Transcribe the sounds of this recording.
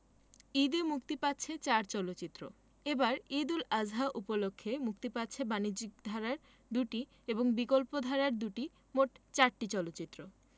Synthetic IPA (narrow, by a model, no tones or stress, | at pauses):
id̪imukt̪ipatːɕʰet͡ɕaɾt͡ɕɔlotːɕit̪ːɾo̰ | ebaɾid̪ulad͡ʑɦaʔupolokʰːemuk̚t̪ipatːɕʰebanid͡ʑik̚d̪ʱaɾaɾ | d̪uʈi | eboŋbikolpod̪ʱaɾaɾd̪uʈi | moʈt͡ɕaɾʈit͡ɕɔlot̪ːɕit̪ːɾo